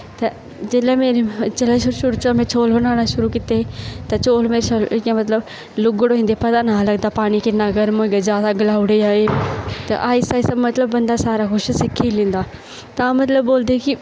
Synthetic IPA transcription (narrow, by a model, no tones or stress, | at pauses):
t̪ɐ | d͡ʒeːlameːɾt͡ʃelaʃʊɾuʃʊɾut͡ʃamẽt͡ʃʰoːlbɐnaːɽ̃aʃʊɾukɪt̪et̪ɐt͡ʃoːlmeːɾsolkẽmɐt̪ləb | lʊɡɽoɦĩnd̪epɐd̪anaːlɐɡd̪apaːñikɪnaɡɐɾmoɡɐd͡ʒaːsaɡɐlaːʊɽeaːet̪ɐ̰ʔaːisaːisɐbmɐt̪ləbːɐ̃nd̪asaːɾaxʊʃsɪkʰilĩːnd̪aː | t̪ɐaːmɐt̪ləbːoːld̪iki